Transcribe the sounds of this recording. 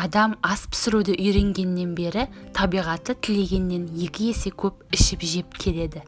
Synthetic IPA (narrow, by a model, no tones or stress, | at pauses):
ɑd̪ɑmɑspʰɪ̥sɪɾud̪ɪʔʏjɾe̞ŋɡʲe̞nːe̞nbe̞ɾɪt̪ʰɑbijʁɑt̪ːət̪ʰɪle̞ɡʲe̞nːe̞nje̞kʲɪje̞se̞kʲʰɵp̚ɪʃɪpʒe̞p̚kʲʰe̞le̞d̪ɪ